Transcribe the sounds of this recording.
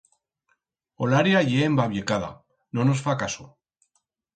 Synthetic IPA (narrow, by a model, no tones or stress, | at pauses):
olaɾjaʝeːmbaβjekaða̰ | nonosfakaso